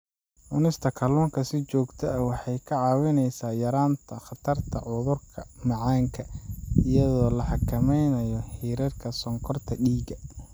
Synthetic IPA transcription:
ʔʊnɪst̪ʰɐkʰɐlɔːŋkʰɐsɪt͡ʃɔːɡt̪ʰɐɐwɑħɑjkʰɐʕɑːwɪnɛjsaːjɐɾaːnt̪ʰɐχɑt̪ʰɐrt̪ʰɐ̰ʕʊðʊrkʰɐmɑʕɑːŋkʰɐɪjɐðɔːlɐħɑkʰɐmɛjnɐjɔħiːɾɐrkʰɐsɔŋkʰɔrt̪ʰɐɖiːɡɐ

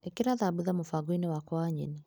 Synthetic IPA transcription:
ekeɾaðabuðamofaɡoinewakɔaɲḛni

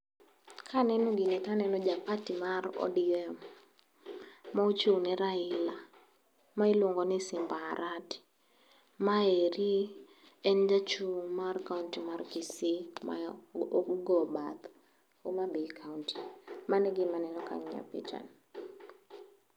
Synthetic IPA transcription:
kʰanɛnoɡɪnɛtanɛnɔd͡ʒapatimarɔ̰diɛm | maut͡ʃonɛɾaɪla | mailwoŋɡɔnɪsɪmbaɾʔat | maeɾi | ɛnd͡ʒat͡ʃumarkauntimarkisɪma̰ | ɡɔbat̪ | omabikʰauntʰimanɛɡɪmanɛnɔka̰ɲa̰pḛt͡ʃa̰n

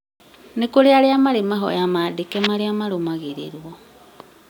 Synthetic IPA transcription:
nekoɾeaɾeamaɾemaɦɔ̰amadekɛmaɾeamaɾomaɣeɾḛɾwɔ

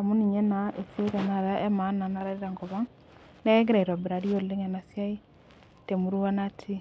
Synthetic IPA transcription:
amuniɲɛnaʔeseɾanaɾaɛmananaɾaɾeɾaŋɡɔβaŋ | nɛɛŋɡeɾaiɾwabeɾaɾioleŋɛnasjai | temuɾuanatʰi

